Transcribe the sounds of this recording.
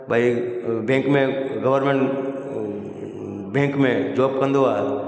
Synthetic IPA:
bʱaibẽːŋkmẽɡəʋəɾmẽɳʈ | bẽːŋkmẽd͡ʒoːb̚kə̃nd̪oaː

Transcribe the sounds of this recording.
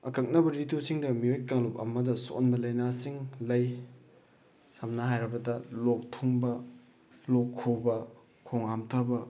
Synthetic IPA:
ɐkɐk̚nɐbɐɾitosiŋdɐmiojkaŋlup̚ɐ̰mɐdɐso̰nbɐlɐjnasiŋlɐj | samnɐɦajɾɐbɐdɐlok̚tʰuŋbɐ | lokʰːobɐ | kʰoŋamtʰabɐ

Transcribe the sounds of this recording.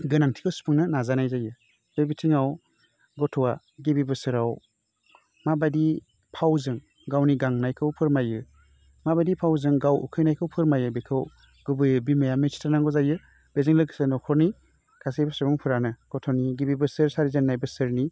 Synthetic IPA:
ɡɯnaŋtʰi̥kʰɯwsu̥pʰɯŋnɯnazanajzajɯ | b̥ebitʰiŋaw | ɡɔtʰɔwa | ɡebibɯsɯɾaw | mabajdi | pʰawzɯŋ | ɡawniɡaŋnajkʰɯwpʰɯɾmajɯ | mabajdipʰawzɯŋɡawṵkʰɯjnajkʰɯwpʰɯɾmajɯbekʰɯw | ɡ̥ɯbɯjɯbimajamesi̥tʰanaŋɡɔzajɯ | b̥ezɯŋlɯksɯnɔkʰɔɾni | kʰasejbɯsɯɾɔŋpʰɯɾanɯɡ̥ɔtʰɔniɡibibɯsɯɾsaɾizenːajbɯsɯɾni

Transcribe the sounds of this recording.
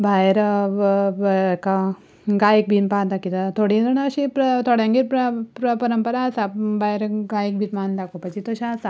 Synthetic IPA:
bajɾ | ka | ɡajik̚bʱinpat̪akit̪at̪ʰoɽĩnd̪ɐnːɕipɾɐt̪ʰoɽjãŋɡiɾpɾpɾɐpɐɾəmpəɾaːsabajɾɡajik̚bʱit̪mand̪akopɐt͡ɕit̪əɕaːsa

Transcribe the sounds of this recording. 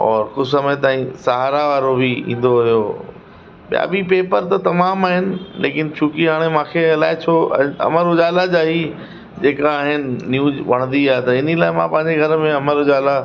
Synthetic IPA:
ɔːɾxʊsɐmət̪aːɦĩsaɦaːɾaʋaːɾobʱiḭ̃ːn̆d̪oɦʊjo | ɓija̰bipeːpəɾt̪ɐt̪ɐmaːmaːɦɪnɪ̆leːkɪnt͡ɕʰʊkiɦaːɽ̃emãːkʰeɐlaːɪt͡ɕʰõ̰ɐ̰məɾɦʊd͡ʑaːlad͡ʑaːɦi | d͡ʑeːkaaːɦɪnɪ̆ːjuːd͡ʑʋɐɽ̃nd̪iaːɦet̪ɐɪnilaːɪmãpɐ̃ɦɪ̃ɲd͡ʑeɡʱɐɾəmẽɐməɾʊd͡ʑaːla

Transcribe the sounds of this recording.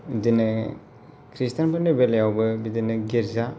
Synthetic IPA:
bidinɐ | kʰɾistanpʰɯnɯbeljawbɯbidinɯɡeɾza

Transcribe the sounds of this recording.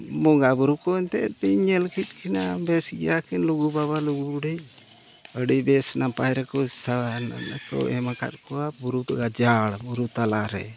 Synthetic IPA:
mɔŋɡabuɾukɔnt̪ɛt̪iɲɛlkit̪̚kʰinabɛsɡɛ̰jakinluɡubaβaluɡuɖɛj | əɽibɛsnapajɾɛkɔsaana̰nkɔ̰ɛmaka̰t̪̚kɔwabuɾut̪aɡad͡ʒaɽbuɾut̪alaɾɛ̰

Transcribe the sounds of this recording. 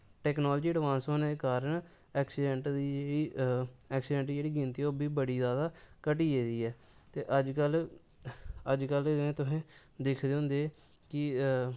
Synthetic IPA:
ʈɛːknoːld͡ʒiːəɖʋãːnsoːned̪eːkaːɾəɳ | ɛːksɪɖɛ̃ɳʈd̪iːd͡ʒeːɽiːɛːksɪɖɛ̃ɳʈid͡ʒeːɽiːɡɪ̃nt̪iːoːbʱiːbəɽiːzaːd̪aːkəʈ̬iːeːd̪iːɛː | t̪eːʔəd͡ʒkəl | əd͡ʒkəlẽːt̪ʊɦẽː | d̪ɪkʰd̪eːɦʊ̃ːnd̪eː | kɪ

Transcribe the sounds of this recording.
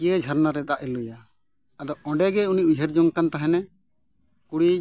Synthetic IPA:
jed͡ʒʱəɾnaɾɛd̪aʔilujaː | d̪ɔɔ̃ɖɛɡɛuniʔujɦəɾd͡ʒɔŋkant̪aɦɛnɛ | kuɽi

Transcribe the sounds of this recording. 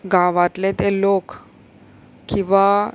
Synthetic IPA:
ɡʱãʋat̪let̪elok | kĩʋa

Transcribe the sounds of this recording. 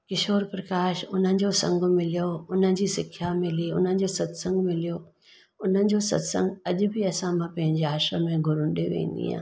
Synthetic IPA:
kɪʃoːɾpɾɐkaːʃʊn̤ənɪ̆d͡ʑosɐ̰̃ŋɡ̆ʱmɪlijoʊn̤əɪ̆d͡ʑisɪkʰjamɪliʊn̤ənɪ̆d͡ʑoːsɐd̪sə̃ŋɡmɪlijo | ʊn̤ənɪ̆d͡ʑoːsɐ̰d̪sə̰̃ŋɡɐʄʊ̆bʱɪɐsãmãpɐ̃ɦɪ̃ɲd͡ʑeaːʃəmẽɡʱʊɾʊ̃ɗeʋḛ̃ːn̆d̪ḭɦã̰ː

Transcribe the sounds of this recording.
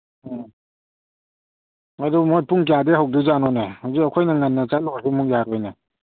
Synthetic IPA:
adumojpuŋk̬jadeɦawduzanɔnehawzikɐkʰojnɐŋanːɐt͡ʃalɔasimɔkjaɾɔjne

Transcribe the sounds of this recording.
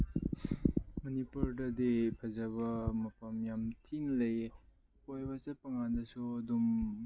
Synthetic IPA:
mɐnipuɾdɐd̪ipʰɐzɐβɐmɐpʰɐmjamtʰinlɐj | pojbasɐpɐŋand̪ɐsud̪um

